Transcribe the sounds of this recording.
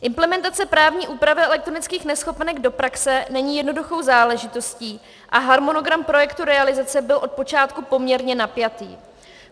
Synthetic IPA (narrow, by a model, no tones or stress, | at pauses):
ʔɪmplɛmɛnt̪at͡sɛpɾaːvɲiːʔuːpɾavɪɛlɛk̚t̪ɾo̞nɪt͡skiːxnɛsxo̞pɛnɛɡdo̞pɾaksɛnɛɲiːjɛdno̞duxo̞wzaːlɛʒɪt̪o̞sciː | ʔaɦaɾmo̞no̞ɡɾampɾo̞jɛkt̪uɾɛalɪzat͡sɛbɪlʔo̞t̪̚po̞t͡ʃaːt̪kupo̞mɲɛɾɲɛnapjat̪iː